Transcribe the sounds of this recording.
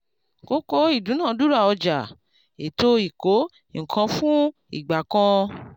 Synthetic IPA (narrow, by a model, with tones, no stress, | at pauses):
ko˨˦ko˦i˦˨dũ˨˦nã˦˨du˦ɾa˦˨ɔ˧d͡ʒa˨ | e˨to˧˦i˨ko˨˦ | ŋ̩˨kʰã˧fũ˦ | ḭ˨ɡ͡ba˨kɔ̃˧